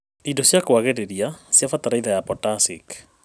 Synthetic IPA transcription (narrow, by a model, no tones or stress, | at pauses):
idosjakowaɣeɾeɾiasjafataɾaiðajapɔtasḭk